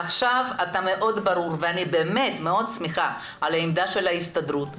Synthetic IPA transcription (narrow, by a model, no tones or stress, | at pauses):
aχʃavat̪ame̞ʔo̞d̪baɾuɾveanibe̞ːme̞t̪meo̞d̪smiχa | alaimd̪aʃe̞laist̪ad̪ɾut̪